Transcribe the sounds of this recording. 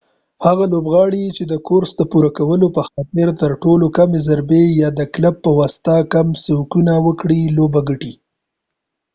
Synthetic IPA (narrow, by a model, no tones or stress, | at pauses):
haɣalobɣɑɽit͡ʃed̪əkoɾsd̪əpuɾakawəlopəxɑt̪ɪɾt̪əɾʈolokamezaɾbejɑd̪əklapːəwɑst̪akamsowkunawəkɽilobaɡəʈi